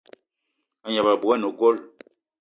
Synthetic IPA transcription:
a˨ɲa˨ba˨bu˨ɛ˦no˨ɡo˦l

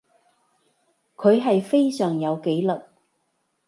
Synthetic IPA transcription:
kʰɵ˨˧ɥɦɐ˨jfe˥jsœː˨˩ŋjɐ˨˧wke˨˥jlɐ˨t̚

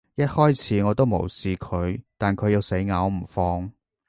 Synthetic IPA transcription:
jɐ˥t̚hɔː˥jt͡sʰiː˨˥ŋɔː˨˧t̪o˥wmo˨˩wsiː˨kʰɵ˨˧ɥt̪aː˨nkʰɵ˨˧ɥji˨˧wse˨˥jŋaː˨˧˥wm̩˨˩fɔː˧ŋ

